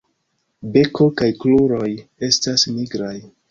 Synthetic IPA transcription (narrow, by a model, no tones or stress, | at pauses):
be̞kʰo̞kajkluɾo̞je̞stasniɡɾaj